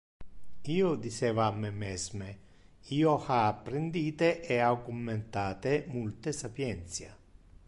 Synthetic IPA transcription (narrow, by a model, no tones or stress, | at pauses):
iːod̪it͡ʃɛːvaamːemɛzme | iːohaːpːɾɪnd̪iːt̪eʔɛakumːent̪aːt̪emult̪esapjɛnt̪sja̰